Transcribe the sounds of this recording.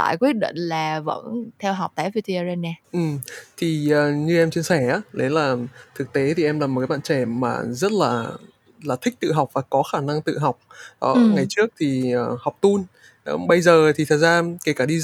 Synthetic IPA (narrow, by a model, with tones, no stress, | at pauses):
a̰ː˧˨jkwi˦˥ət̚ɗḭ˧˨ŋ̟laː˨˩və̰˧˥nt̪ʰɛ˧wɦa˨˩k͡p̚t̪aː˧˨˦vi˧t̪a˧ze˧naː˧ʔɨ˨˩mt̪ʰi˨˩ʔəː˨˩ɲɨ˧ʔɛ˧mt͡ɕi˧ənsɛ˧˩ʔaː˨˦ɗe˨˦laː˨˩t̪ʰɨ˨˩k̚t̪e˨˦t̪ʰi˨˩ʔɛ˧mlaː˨˩m̚˨˩kaː˨˦ɓa̰ː˧˨t͡ɕɛ˧˩ma̰ː˨˩zə˦˥t̚laː˨˩ | laː˨˩t̪ʰï˦˥k̟̚t̪ɨ̰˧˨ɦa˨˩wk͡p̚vaː˨˩kɔ˨˦xaː˧˩na˧ŋt̪ɨ̰˧˨ɦa˨˩wk͡p̚ʔɔ˨˧˩ŋa˨˩jt͡ɕɨ˦˥ək̚t̪ʰi˨˩əː˨˩ha˨˩wk͡p̚t̪u˧n | ʔɓə˧jzəː˨˩t̪ʰi˨˩t̪ʰə˨˩t̚zaː˧ke˧˩kaː˧˩ɗi˧